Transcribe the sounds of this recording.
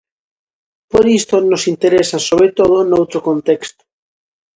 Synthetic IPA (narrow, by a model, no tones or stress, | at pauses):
poɾist̪onosint̪eɾesasoβɾet̪oð̞onowt̪ɾokont̪ekst̪o̥